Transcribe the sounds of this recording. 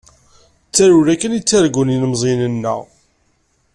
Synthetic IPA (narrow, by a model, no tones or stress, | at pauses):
t͡sːæɾuɾækːənit͡sːaɾɡuninəmzˤinənːə̰ʁ